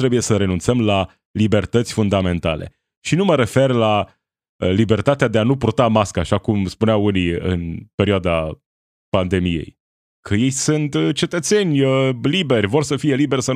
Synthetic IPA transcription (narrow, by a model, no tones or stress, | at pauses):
t̪ɾe̞buje̞səɾe̞nunt̪səmla | libe̞rt̪ət̪sʲfund̪ame̞nt̪a̰le̞̰ | ʃinuməɾe̞fe̞rla | əlibe̞rt̪at̪ead̪e̞anupurt̪amaskəaʃakumspuneawuniɨ̰npe̞ɾʲioad̪a | pand̪e̞mije̞̰j | kʰəje̞jsunt̪t͡ʃe̞t̪ət̪se̞nʲəlibe̞rʲvo̞rsəfije̞libe̞rʲsən